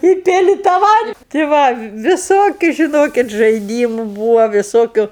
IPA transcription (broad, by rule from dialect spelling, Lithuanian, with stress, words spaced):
ɪ ˈpʲɪlʲɪ tɑː ˈʋɐnt tʲɪ ˈʋɐ ʋʲɪˈsoːkʲʊ ʒʲɪˈnoːkʲɪt ʒɐɪˈdʲiːmʊ ˈbuːʋoː ʋʲɪˈsoːkʲʊ